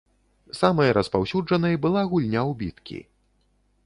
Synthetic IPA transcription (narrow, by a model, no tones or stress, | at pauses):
samɐjɐɾʔɐspawsʲud͡ʐɐnɐjbɨlˠaɣulʲnʲawbʲit̪kʲḭ